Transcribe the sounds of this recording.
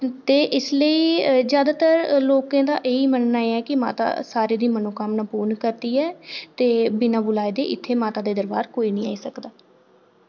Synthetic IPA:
t̪eːʔɪsləiːzjaːd̪aːt̪əɾloːkãːd̪a̰ːʔeːiːmənnaːeːɛːkɪma̰ːt̪a̰ːsaːɾeːd̪iːmənoːkamnaːpuːnkəɾt̪iːɛːt̪eːbɪnãːbʊlaːeːd̪ḛːʔɪt̪ʰːeːmaːt̪aːd̪eːd̪əɾbaːɾkoːiːnĩːa̰ːiːsəkd̪aː

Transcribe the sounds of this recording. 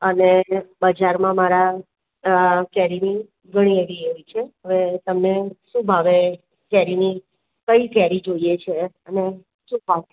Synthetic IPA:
ənebəd͡ʒaɾmãmaɾa | kɛɾini | ɡʱəɽ̃ieʋieɦoit͡ʃʰeɦəʋet̪əmneʃũbʱaʋe | kɛɾini | kəikɛɾid͡ʒoiet͡ʃʰeəne | ʃũbʱa

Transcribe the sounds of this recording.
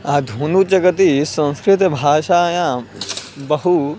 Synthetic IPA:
aːd̪ʱuːnut͡ʃɐkɐt̪isɐ̃nskɾɪt̪ɐbʱaːʃaːjãː | bɐɦu

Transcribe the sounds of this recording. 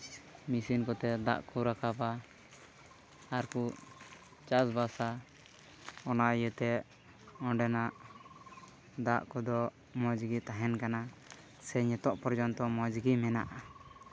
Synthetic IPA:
misinkɔt̪ɛd̪a̰ʔkɔɾakʰapa | ɾku | t͡ʃasbasa | ɔnajət̪ɛ | ɔ̃ɖɛnaʔ | d̪aʔkɔd̪ɔ | mɔd͡ʒɡit̪aɦɛnkana | sɛɲɛt̪ɔʔpɔɾd͡ʒɔnt̪ɔmɔd͡ʒɡimɛnaʔa

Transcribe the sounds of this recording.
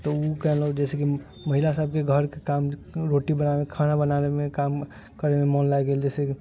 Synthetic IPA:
t̪ɔukɛɦlɔd͡ʒɛːseki | məɦilasəb̚keɡʱəɾkekamɾoʈibənamekʰaɽ̃abənalemẽkam | kəɾememɔnlajɡeld͡ʒɛːseki

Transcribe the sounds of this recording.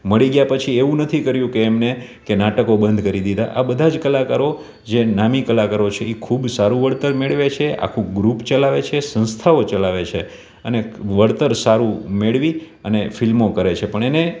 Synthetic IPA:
məɭiɡjapət͡ʃʰieʋũnət̪ʰikəɾjũkeːmne | kenaʈəkobənd̪ʱkəɾid̪id̪a̰ʔabəd̪ʱad͡ʒkəlakaɾo | d͡ʒenamikəlakaɾot͡ʃʰeikʰubsaɾũʋəɭt̪əɾmeɭʋet͡ʃʰeʔa̰kʰũɡɾupt͡ʃəlaʋet͡ʃʰesə̃nst̪ʰaot͡ʃəlaʋet͡ʃʰe | əneʋəɽt̪əɾsaɾũmeɭʋi | ənefilmokəɾet͡ʃʰepəɳene

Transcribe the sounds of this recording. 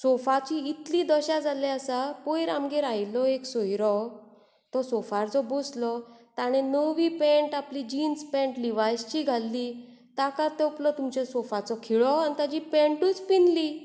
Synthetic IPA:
sɔfat͡ɕiit̪lid̪ɔɕad͡zalɛasapojɾamɡeɾajlɔeksojɾɔ | t̪ɔsɔfaɾt͡sɔboslɔt̪aɽ̃enəʋiːpẽɳʈaplid͡ʑinspẽɳʈliʋajst͡ɕiɡʱalːiː | t̪akat̪ɛplɔt̪umt͡ɕɛsɔfat͡sɔkʰiɭɔant̪ad͡ʑipẽɳʈuːt͡spinli

